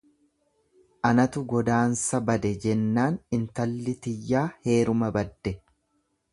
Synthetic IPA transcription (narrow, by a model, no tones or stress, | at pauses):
ʔɐnɐt̪ʊɡɔd̪aːnsɐbɐd̪ɛd͡ʒɛnːaːnɪnt̪ɐlːɪt̪ɪjːaːhe̞ːɾʊmɐbɐd̪ːɛ